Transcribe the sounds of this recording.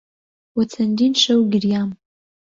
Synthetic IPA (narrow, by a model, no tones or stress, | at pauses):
wat͡sʰandinʂawɡʲɪrjam